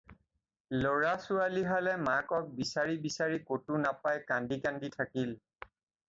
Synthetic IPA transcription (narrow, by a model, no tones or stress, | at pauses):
loɹasualiɦalɛmakɔk̚bisaɹibisaɹikotunapajkandikanditʰakil